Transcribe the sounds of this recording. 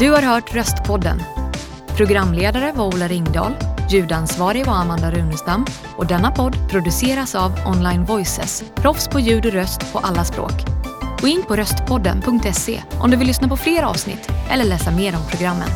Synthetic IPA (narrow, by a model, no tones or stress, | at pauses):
d̪̥ɵhaɾɦœːʈɾœst̪pʰɔd̪ːə̰n | pʰɾʊɡɾamːleːd̪aɾəvaɾuːlaɾɪŋːd̪ɑ̰ːljʉ̟ːd̪ansvɑːɾɪvɔamand̪aɾʉ̟ːnəʂt̪am | ʔɔd̪ɛnːapʰɔd̪ːpʰɾʊd̪ɵseːɾasavʔɔnlajnvɔjsɛ̰spʰɾɔfspʰɔjʉ̟ːd̪ɔɾœst̪pʰɔʔalːaspɾo̰ːkʔɔɪnːpʰɔɾœst̪pʰɔd̪ːə̰npʰɵŋk̚t̪ɛsḛːʔɔ̰md̪ɵvɪlːʏsnapɔfleːɾɑ̰ːvsnɪ̰t̪ʰːʔɛ̰lːəɭɛːsameːɾɔmpʰɾʊɡɾamːə̰n